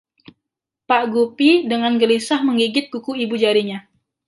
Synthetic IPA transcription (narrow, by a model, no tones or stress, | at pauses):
paʔɡupidəŋanɡəlisahməŋɡiɡɪt̪̚ɡukuibud͡ʒaɾiɲa